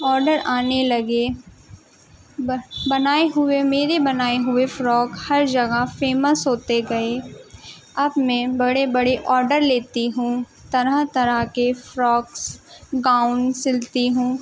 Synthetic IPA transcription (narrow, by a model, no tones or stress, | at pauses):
ɔːɾɖəɾaːnelɐɡe | bɐnaːeɦʊemeːɾebɐnaːeɦʊefɾɔːkhɐɾd͡ʒɐɡəfeːməsɦoːt̪eɡɐe | ɐbmɛ̃bɐɽebɐɽeʔɔːɾɖəɾleːt̪iɦũː | t̪ɐɾət̪ɐɾəkefɾɔːksɡaːʊnsɪlt̪iɦũː